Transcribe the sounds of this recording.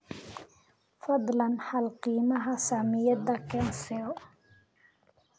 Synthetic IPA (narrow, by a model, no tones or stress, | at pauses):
fɑd̪ˤlɐnħɑlqiːmɐɦɐsaːmɪjɐd̪ɐkʰɛːnsɛɔ